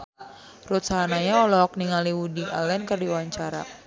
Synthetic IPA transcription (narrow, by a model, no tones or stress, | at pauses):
rut̪̚sanaɲaɔlɔk̚niŋaliwudiʔalɛnkərdiwaɲt͡ʃaɾa̰